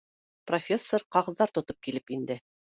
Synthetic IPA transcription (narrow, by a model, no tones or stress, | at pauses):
profʲe̞sːoɾqɑʁɤ̆ðːɑɾt̪ŏt̪op̚kilɘpind̪ɘ